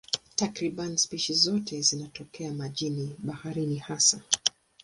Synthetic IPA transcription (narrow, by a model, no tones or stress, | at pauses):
takɾiɓanispiʃizɔtʰɛzinatɔkɛamaʄiniɓahaɾinihasa